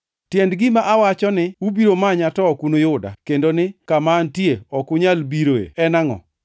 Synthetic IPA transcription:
tjendɡɪmaʔawat͡ʃɔnɪubiɾomaɲatɔːkunojʊda̰kendonɪkamantjeɔkʊɲalbiɾoḛɛnaŋɔ̰

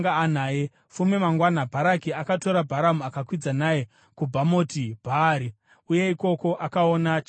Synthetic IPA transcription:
ŋɡaːn̤aːje | fumemaŋɡwanabʱaɾakiakato̞ɾabʱaɾamuakakwid͡zanaje̞ | kubʱamo̞tibʱaɾi | uje̞iko̞ko̞ʔakaonat͡ʃ

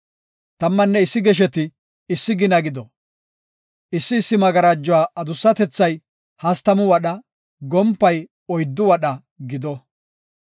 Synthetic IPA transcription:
t̪ɐmːɐnːɛɪsːɪɡɛʃ̬ɛt̪ɪː | sːɪɡɪnɐɡɪd̪ɔ | ɪsːɪːsːɪmɐɡɐɾaːd͡ʒːɔwaːɐd̪ʊsːɐt̪ɛt͡sːɐj | hɐst̪ɐmʊwɐɗɐ | ɡɔmpːɐj | ɔjd̪ːʊwɐɗɐ | ɡɪd̪ɔ

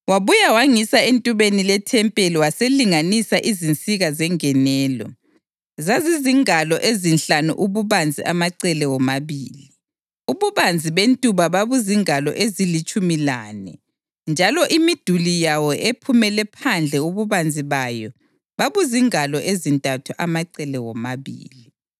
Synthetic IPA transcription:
waβujawaŋisaentʼuβenilɛtʰɛmpʼeliwaseliŋanisaʔizint͡sʼiɣazɛŋɛnɛːlɔ̰ | zaziziŋalɔʔezinɬanṵʔuβuβand͡zʱiʔa̰maǀɛlɛwɔmaβiːli | uβuβand͡zʱiβentʼuβaβaβuziŋalɔ̰ʔezilit͡ʃʼumilaːnɛ̰ | nd͡ʒʱalɔʔimid̥ʱulijawɔʔepʰumɛlɛpʰand͡ɮʱɛuβuβand͡zʱiβajɔ | βaβuziŋalɔʔezintʼatʰuʔamaǀɛlɛwɔmaβḭːli

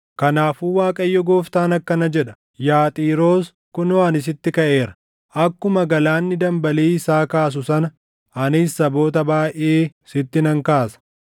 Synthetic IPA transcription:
kɐnaːfuːwaːkʼɐjːɔɡoːft̪aːnɐkːɐnɐd͡ʒɛᶑɐ̥ | jaːt̪ʼiːɾo̞ːs | kʊnɐnɪs̬ɪt̪ːɪkɐʔe̞ːɾɐ̥ | ʔɐkːʊmɐɡɐlaːnːɪd̪ɐmbɐleːɪsaːkaːs̬ʊsɐnɐ | ɐnɪsːɐbo̞ːt̪ɐbaːʔeːɪsɪt̪ːɪnɐŋkaːsɐ̥

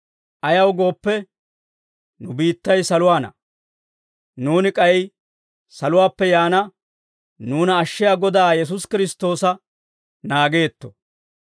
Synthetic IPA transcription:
ʔɐjɐwɡo̞ːpːɛ | nʊbiːt̪ːɐjsɐlʊwaːnɐ̰ | nuːnɪkʼɐjɛj | sɐlʊwaːpːɛjaːnɐ | nuːnɐːʃːɪjaːɡɔd̪aːjɛs̬ʊskɪɾɪst̪ːo̞ːsɐ | naːɡe̞ːt̪ːɔ̥

